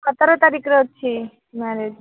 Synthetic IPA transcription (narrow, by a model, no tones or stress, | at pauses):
kʰət̪əɾot̪aɾikʰɾot͡ʃʰi | maɾe